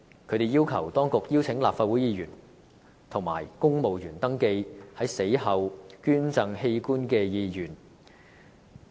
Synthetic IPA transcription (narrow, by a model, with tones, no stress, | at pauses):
kʰɵ˨˧t̪e˨jiː˥wkʰɐ˨˩wt̪ɔː˥ŋkʊ˨k̚jiː˥wt͡sʰɪ˨˥ŋlaː˨p̚faː˧wu˨˥jiː˨˧jyː˨˩n | t̪ʰʊ˨˩ŋma̰ː˨˩jkʊ˥ŋmo˨wjyː˨˩nt̪ɐ˥ŋke˧jhɐ˨˥jse˨˥jhɐ˨˧wkyː˥nt͡sɐ˧ŋhe˧jkuː˥nkɛː˧jiː˨˧jyː˨˩n